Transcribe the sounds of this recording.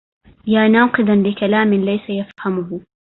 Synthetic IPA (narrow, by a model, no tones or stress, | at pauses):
jaːnaːqɨd̪ˤanlɪkalaːmɪnlajsajafhamʊhʊ